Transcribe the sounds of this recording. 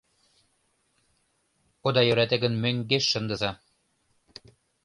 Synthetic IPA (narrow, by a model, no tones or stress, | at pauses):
od̪ɑjø̆ɾæt̪ɘ̆ɡɘ̆nmøŋɡeʃːɤ̆nd̪ɤ̆zɑ